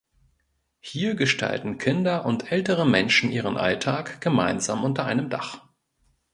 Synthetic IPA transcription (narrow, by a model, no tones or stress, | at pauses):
hiːɐɡəʃtʰa̰ltn̩kʰɪndɐʔʊntʔɛltəʁəmɛnʃn̩ʔiːʁ̞ənʔa̰ltʰaːkɡ̥əma̰ɪnza̰ːmʔʊntɐʔaɪnəmda̰χ